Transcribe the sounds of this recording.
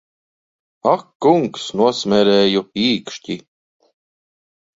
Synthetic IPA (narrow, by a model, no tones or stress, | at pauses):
akːuŋksnuɔsmʲɛɾɛːjupiːkʃcʲi